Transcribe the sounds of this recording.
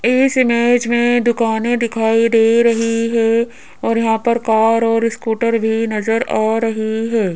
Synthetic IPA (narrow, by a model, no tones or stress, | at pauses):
ɪsɪmeːd͡ʒmẽd̪ʊkaːnẽd̪ɪkʰaːid̪eːɾɐɦiɦɛ | ɔːɾjɐɦãpɐɾkaːɾɔːɾɪskuːʈəɾbʱinɐzəɾaːɾɐɦiɦɛː